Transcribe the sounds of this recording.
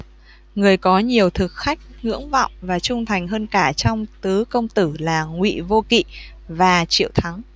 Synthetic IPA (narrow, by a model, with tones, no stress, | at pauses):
ŋɨ˨˩əjkɔ˨˦ɲi˨˩əwt̪ʰɨ˨˩k̚xa˦˥jk̚ŋɨ̰˧˥əŋvɔ̰˧˨wŋ͡mvaː˨˩t͡ɕʊ˧ŋ͡mt̪ʰa˨˩jŋ̟ɦəː˧nkaː˧˩t͡ɕɔ˧wŋ͡mt̪ɨ˨˦kə˧wŋ͡mt̪ɨ˧˩laː˨˩ŋwḭ˧˨vo˧kḭ˧˨ | vaː˨˩t͡ɕḭ˧˨əwt̪ʰa˨˦ŋ